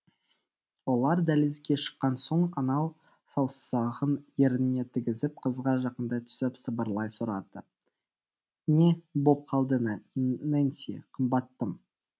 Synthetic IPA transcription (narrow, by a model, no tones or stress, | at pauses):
wo̞lˠɑɾd̪ælezɡʲe̞ʃə̥qːɑnso̞ɴɑnɑw | sɑwssɑʁənjeɾnɪne̞t̪ʰɪɡʲɪzɪp̚qʰəzʁɑʒɑqənd̪ɑt̪ʰʏ̥sɪpsəbəɾlˠɑjsʊɾɑd̪ə | ne̞bo̞p̚qʰɑlˠd̪ənænsḛqʰəmbɑt̪ːəm